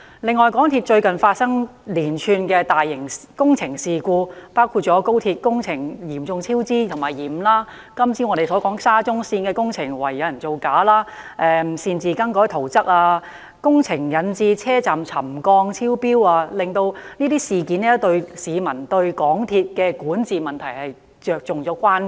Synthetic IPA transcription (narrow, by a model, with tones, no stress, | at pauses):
lɪ˨ŋːɔː˨jkɔː˨˥ŋt̪ʰi˧t̚t͡ʃɵ˧ɥkɐ˨nfaː˧t̚sɐ˥ŋliː˨˩nt͡ʃʰyː˧nkɛː˧t̪aː˨jːɪ˨˩ŋkʊ˥ŋt͡sʰɪ˨˩ŋsiː˨˩kuː˧paː˥wkʰuː˧t̚t͡ʃɔː˨˥ko˥wt̪ʰiː˧t̚kʊ˥ŋt͡sʰɪ˨˩ŋjiː˨˩mt͡sʊ˧ŋt͡sʰiː˥wt͡siː˥t̪ʰʊ˨˩ŋmaː˨˩jjiː˨˩mlaː˥ | kɐ˥mt͡sʰiː˥ŋɔ˨˧ɾe˨˩jsɔː˨˥kɔː˨˥ŋsaː˥t͡sʊ˥ŋsiː˧nkɛː˧kʊ˥ŋt͡sʰɪ˨˩ŋwɐ̰˨˩jːɐ˨˧wjɐ˨˩nt͡so˨˩wkaː˨˥laː˥ | ʔɛː˧˨siː˧nt͡siː˨˧kɐ˥ŋkɔː˨˥jt̪ʰo˨˩wt͡sɐ˥k̚aː˧ | kʊ˥ŋt͡sʰɪ˨˩ŋjɐ˨˧nt͡siː˧t͡sʰɛː˥t͡saː˨mt͡sʰɐ˨˩mkɔː˧ŋt͡sʰiː˥wpiː˥waː˧lɪ˨ŋt̪o˧wniː˥t̪iː˥siː˨˩kiː˨˥nɛː˥t̪ɵ˧ɥsiː˨˧mɐ˨˩nt̪ɵ˧ɥkɔː˨˥ŋt̪ʰiː˧t̚kɛː˧kuː˨˥nt͡siː˨mɐ˨nt̪ʰɐ˨˩jhɐ˨j | t͡ʃœː˨k̚t͡sʊ˨ŋt͡sɔː˨˥kʷaː˥n